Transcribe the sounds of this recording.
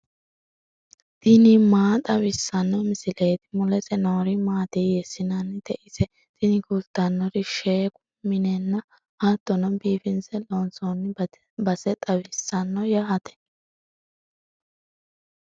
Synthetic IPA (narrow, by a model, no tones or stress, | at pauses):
t̪ɪnɪmaːt̪ʼɐwɪsːɐnːɔmɪsɪleːt̪ɪ̥mʊlɛt͡sʼɛnoːɾɪmaːt̪ijɛsɪnɐnːɪd̪̥ɛʔɪsɛ | t̪ɪnɪkult̪ːɐnːɔɾɪʃeːkʊ | mɪnɛnːɐ | hat̪ːɔnɔbiːfɪnsɛlonsonːɪ | bɐsɛt̪ʼɐwɪsːɐnːɔjaɐt̪ɛ̥